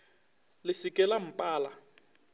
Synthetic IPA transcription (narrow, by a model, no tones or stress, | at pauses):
lɪsikʼɛlam̩pʼaːla